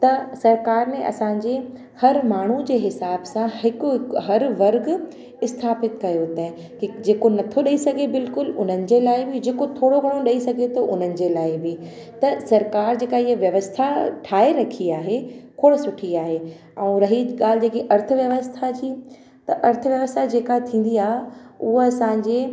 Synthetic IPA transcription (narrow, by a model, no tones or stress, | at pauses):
t̪ɐsɐɾkaːɾnẽʔɐ̰sãɲ̆d͡ʑeː | hɐɾmaːɳ̤ud͡ʑeːɦɪsaːbsãɦɪkʊɦɐɾʋɐɾɡ | ɪst̪ʰaːpɪt̪kɐjot̪ɐ̃ɦɪ̃ | kid͡ʑeːkonɐt̪ʰoɗɐisɐɡʱebɪlkʊlʊn̤ənɪ̆d͡ʑeːlaːɪbɪd͡ʑeːkot̪ʰoːɽoɡʱɐɽ̃oɗɐisɐɡʱet̪oʔʊn̤ənɪ̆d͡ʑeːlaːɪbɪ | t̪ɐsɐɾkaːɾd͡ʑeːkaɪɦəʋjɐʋəst̪ʰaʈʰaːeɾɐkʰiaːɦekʰoːɽsʊʈʰiaːɦe | ɛ̃ũːɾɐɦiɠaːl̤ɪd͡ʑeːkiʔɐɾt̪ʰəʋjɐʋəst̪ʰad͡ʑiː | t̪ɐʔɐɾt̪ʰəʋjɐʋəst̪ʰad͡ʑeːkat̪ʰĩːn̆d̪iaːɦeʊɦoɐsãːɲd͡ʑeː